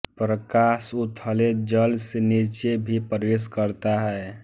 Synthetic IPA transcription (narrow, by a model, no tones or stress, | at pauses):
pɾəkasʊt̪ʰəled͡ʒəlsenit͡ʃebʱipəɾʋeskəɾt̪aɦɛː